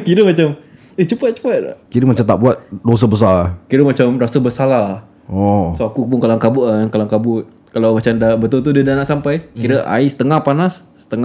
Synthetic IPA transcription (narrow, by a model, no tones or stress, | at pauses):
kiɾəmat͡ʃam | əht͡ʃupat͡ʃu̥pala̰kiɾəmat͡ʃamt̪a̰ʔbuat̪̚dos̬abəs̬alakiɾəmat͡ʃamrasəbəsalah | ɔsoakupʊŋkalaŋkabuʔŋkalaŋkabʊt̪̚ | kalawmat͡ʃamdabət̪ʊlt̪udədanaʔsampajkiɾəʔa̰isə̥t̪əŋahpanasːə̥t̪əŋa